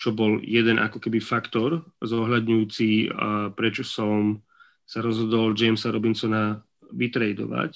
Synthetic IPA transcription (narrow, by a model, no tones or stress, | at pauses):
t͡ʃɔbɔljɛd̪ɛnʔa̰kɔkɛbifakt̪ɔɾzɔɦʎad̪ɲujuːt͡sipɾɛt͡ʃɔsɔm | saɾɔzɦɔd̪ɔld͡ʒɛmsaɾɔbinsɔna | ʋit̪ɾɛjd̪ɔ̰ʋa̰c